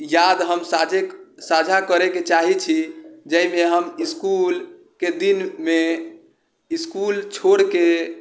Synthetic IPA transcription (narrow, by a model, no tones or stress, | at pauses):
jad̪ɦəmsad͡ʒesad͡ʒʱakəɾeket͡ʃaɦit͡ʃʰid͡ʒəimeɦəmiskul | ked̪inme | iskult͡ʃʰoɽke